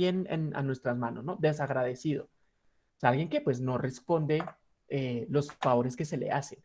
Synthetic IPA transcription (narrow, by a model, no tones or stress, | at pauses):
jenḛna̰nwe̞st̪ɾazmãno̞sno̞ðe̞s̬aɣɾaðe̞siðo̞ | salɣje̞ŋke̞pwe̞zno̞re̞spo̞nd̪e̞ | elo̞sfaβo̞ɾe̞ske̞se̞le̞̰ase̞n